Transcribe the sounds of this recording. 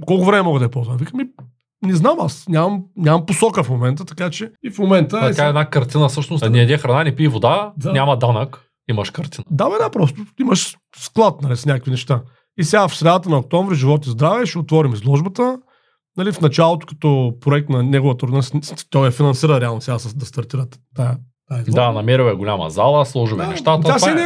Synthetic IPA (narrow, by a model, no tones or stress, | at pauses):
kɔlˠkʊvɾɛmɛmɔɡəd̪ɐɛpɔlˠzənɐvikəmi | nɛznamasnʲamɐmnʲamɐmposɔkəfmomɛnt̪ət̪ɐkat͡ʃɛifmomɛnt̪ət̪ʲaɛd̪nakɐɾt̪ʲinəsɤʃt̪nʊsnʲiɛd̪ɛxɾɐnanɛpiːvod̪ad̪anʲamɐd̪anək | imɐʃkɐɾt̪inəd̪avɛd̪apɾɔst̪oiməʃ | sklˠat̪nɐlisnʲakəkvinɛʃt̪a | isɛɡafsɾɛd̪aət̪ənɐok̚t̪ɔ̃ɱvɾiʒivɔt̪izd̪ɾavɛʃɛot̪vɔɾimizlˠɔʒbɐt̪ə | nɐlifnɐt͡ʃalˠot̪ʊ̥kɐ̥t̪ɔpɾʊɛk̚t̪nɐnʲɛɡʊvət̪əɾnɐlisst̪ɔjjɐfinɐ̃nsiɾəɾɛalˠnʊsʲaasɐd̪ɐst̪ɐɾt̪iɾət̪t̪ːaj | t̪ːaizld̪anɐmɛɾiwɛɡolʲamɐ̰zalˠəslˠɔʒiɛ̰nɛ̰ʃt̪at̪əasɛnɛ